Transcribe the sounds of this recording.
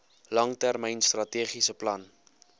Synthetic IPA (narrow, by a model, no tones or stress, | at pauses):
lɐŋtærmɛjnstrɐtiəːχisəplɐn